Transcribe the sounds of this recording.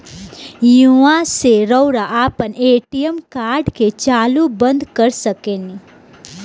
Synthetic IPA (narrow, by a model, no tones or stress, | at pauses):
juãseɾəʊɾaʔaːpəneːʈijəmkaːɾɖket͡ʃaːlubə̃nd̪kəɾsəkeːni